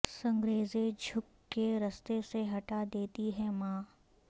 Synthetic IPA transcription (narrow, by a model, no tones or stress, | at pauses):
sɐ̃ŋɡɾeːzed͡ʒʱʊkːeɾɐst̪eseɦɐʈad̪eːt̪iɦɛmãː